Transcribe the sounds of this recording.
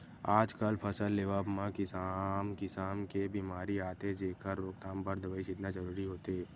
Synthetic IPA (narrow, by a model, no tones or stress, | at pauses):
aːd͡ʒkəlpʰəsəlːeːʋaːbmãkɪsamkɪsaːnkebiːmaːɾiaːt̪ed͡ʒeːkəɾːoːk̚t̪aːmbəɾd̪ʋəɪʃɪt̪nad͡ʒəɾuːɾiɦoːt̪eɛː